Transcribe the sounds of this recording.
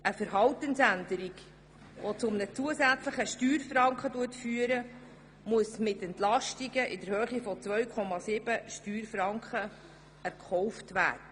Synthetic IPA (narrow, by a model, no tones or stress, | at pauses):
ʔəfəɾɦɑltənsændəɾiɡ | ʋot͡sʊmnət͡suəsæt͡sləχəʃtyːɾfrɑŋkχəduətfyːəɾə | muəsmɪtɛntlɑʃtiɡəʔɪdəɾhøːχifɔt͡svœɥkʰɔmɑsɪb̥əʃtyːɾfɾɑŋkχə | ɛɾkʰχɔʊftʋæ̰ːdə